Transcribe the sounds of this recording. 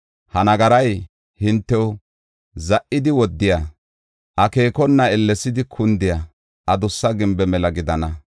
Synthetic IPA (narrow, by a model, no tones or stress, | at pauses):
hɐnɐɡɐɾɐj | hɪnt̪ːɛw | zɐʔːɪd̪ɪwɔd̪ːɪja | ʔɐke̞ːkɔnːɐɛlːɛsɪd̪ɪkʰʊnd̪ɪja | ʔɐd̪ʊsːɐɡɪmbɛmɛlɐɡɪd̪ɐnɐ